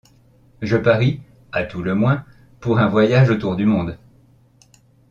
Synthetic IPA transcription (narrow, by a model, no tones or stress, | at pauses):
ʒəpaʁi | at̪uləmwɛ̃ | puʁɛ̃vwajaʒot̪uʁd̪ymɔ̃d̪